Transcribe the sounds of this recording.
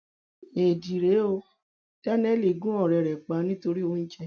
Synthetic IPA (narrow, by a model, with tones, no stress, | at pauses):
e˨di˨ɾe˨˦o˧ | ta˦nɛ˦li˨ɡũ˦ɔ˦˨ɾɛ˨ɾɛ˨k͡pa˨˦nĩ˦to˧ɾi˦o˦n̩˦t͡ʃɛ˦